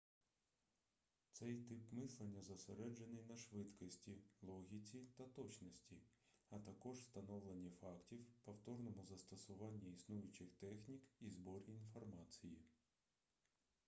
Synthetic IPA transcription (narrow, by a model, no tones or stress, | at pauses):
t̪sɛjt̪ɪpmɪslˠenʲːɐzɐseɾɛd͡ʒenɪjnɐʃʋɪt̪kɔsʲtʲilˠɔɦʲit͡sʲit̪ɐt̪ɔt͡ʃnɔsʲtʲi | ɐt̪ɐkɔʒst̪ɐnɔwlˠenʲːifɑktʲiwpɔwt̪ɔrnɔmʊzɐst̪ɔsʊʋɑnʲːɐisnujʊt͡ʃɪxt̪ɛxnʲikizbɔɾinfɔrmɑt͡sʲiji